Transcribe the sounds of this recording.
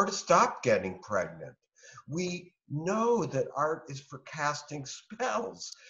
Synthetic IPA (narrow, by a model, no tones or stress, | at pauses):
ə˞ɾɨstɑp̚ɡ̥ɛɾɪ̃ŋpʰɹ̥ɛ̰ɡ̚nɨ̰̃nt | wi | noʊðɨɾɑɹɾɪz̥fə˞kʰæstɪ̃ŋspɛlˠz̥